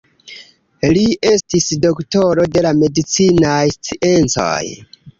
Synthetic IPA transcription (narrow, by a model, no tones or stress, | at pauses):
lie̞stisdokto̞ɾo̞de̞lame̞dit͡sinajst͡siʔe̞nt͡so̰j